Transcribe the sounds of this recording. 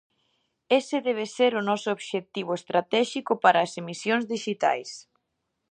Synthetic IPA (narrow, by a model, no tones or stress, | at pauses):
esɪðɛβ̞eseɾʊnɔsʊoβʃek̚t̪iβ̞ʊest̪ɾat̪ɛʃikʊpaɾɐːsemisjoŋzðiʃit̪a̰js